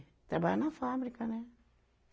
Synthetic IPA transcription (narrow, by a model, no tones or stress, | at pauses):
tabanãfamɾikanɛ